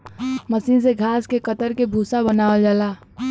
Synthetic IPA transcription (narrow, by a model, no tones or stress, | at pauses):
məsinseɡʱaːskekət̪əɾkebʱusabənaːʋəld͡ʒaːlaː